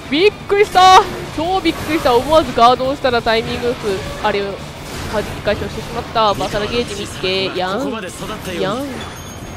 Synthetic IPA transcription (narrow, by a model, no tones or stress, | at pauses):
bʲikːɯ̟ɾʲiɕi̥t̪at͡ɕo̞ːbʲikːɯ̟ɾʲiɕi̥t̪aomoazɨɡaːd̪o̞ːɕi̥t̪aɾat̪aimʲĩŋɡɯɯkɯ̟aɾeo | had͡ʑikʲi̥kaiɕoɕi̥t̪e̞ɕimat̪ːabakaɾaɡe̞ːʑimʲik̪ːeːjã | ja